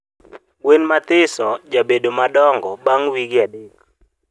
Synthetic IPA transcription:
wenmat̪ɪsɔd͡ʒabedomaɗɔŋɡɔɓaŋwiɡjadek

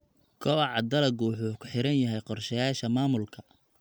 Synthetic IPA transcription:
kʰɔwɑʕɑd̪ɐlɐɡʊwʊħuːkʰʊ̥ħɪɾɐnjɐɦɛjqɔrʃɛjaːʃɐmaːmʊlkʰɐ

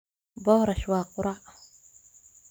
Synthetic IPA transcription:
bɔhɾaʃwaːqʊɾa

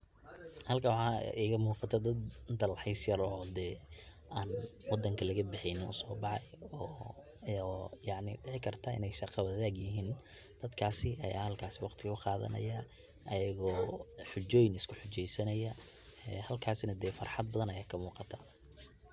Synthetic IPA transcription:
hɐlkʰɐwħɑ̰ːʔiɣɐmuːqɑt̪ʰɐd̪ɐd̪nt̪ʰɐlɐħɛjsjɐrɔːd̪ɛː | ʔaːnwɑd̪ːɐŋkʰɐlɐɣɐbɪħɪjnɪnʊ̰sɔːbɑħɑjɔː | jɑʕnɪɖɪʕɪkʰɐrt̪ʰɐɪ̰nɛjʃɑqɑwɐðaːɡjɪɦiːn | d̪̥ɐd̪kʰaːsɪʔɐja̰ːhɐlkʰaːsɪwɑqt̪ʰɪɣɐʊqɑːðɐ̰nɐ̰jɐ | ʔɐjɐɣɔːħʊt͡ʃɔːjnɪskʰʊħʊt͡ʃɛjsɐnɐjɐ | ɛːhɐlkʰaːsnɐd̪ɛːfɑrħɑd̪̚bɐðɐnɐjaːkʰɐmuːqɑt̪ʰɐ̥

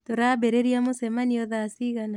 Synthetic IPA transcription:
toɾaβeɾeɾiamosɛmaniɔðasiɣana

